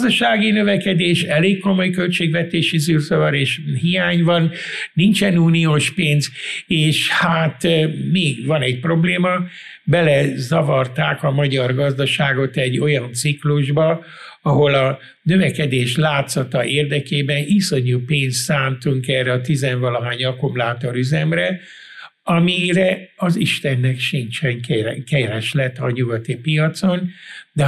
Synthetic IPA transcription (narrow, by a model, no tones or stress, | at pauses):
d̪ɒʃaːɡinø̞vɛkɛd̪eːʃɛleːkkːo̞mo̞jkø̞lt͡ʃeːɡvɛt̪eːʃisyrzɒvɒɾeːʃhijaːɲvɒnnint͡ʃɛnuːnioːʃpeːnzeːʃhat̪meːɡvɒnɛɟ̚pro̞bleːmɒ | bɛlɛzɒvɒrt̪aːkɒmɒɟɒrɡɒzd̪ɒʃaːɡo̞t̪ɛɟːo̞jɒnt̪sikluʒbɒ | ɒɦo̞lɒ | nøvɛkɛd̪eːʃlaːt̪sɒt̪ɒʔeːrd̪ɛkeːbɛniso̞ɲuːpeːnst̪ːaːnt̪uŋkɛːrɛɒt̪izɛnvɒlɒɦaːɲɒkumlaːt̪o̞ɾyzɛmrɛ | ɒmirɛɒziʃt̪ɛnːɛkʃint͡ʃɛŋkɛkɛɾɛʃlɛt̪ːɒɲuɡɒt̪ipijɒt̪so̞nd̪ɛ